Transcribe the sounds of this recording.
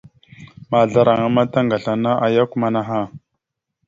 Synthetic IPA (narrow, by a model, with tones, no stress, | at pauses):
ma˨ɮa˦ɾa˨ŋa˦ma˦ta˦ŋɡa˨ɬa˨na˦ʔa˦ja˦ku˦ma˦na˦ɦa˦˨